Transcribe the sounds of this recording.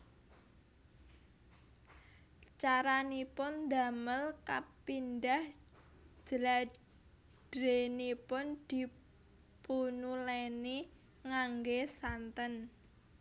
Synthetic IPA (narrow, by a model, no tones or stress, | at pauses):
t͡ʃaɾanipʊnd̪aməlkapind̪ah | d͡ʒ̥əla | d̥ɾenipʊnd̪̥i̤ | punuleni | ŋaŋɡesant̪ən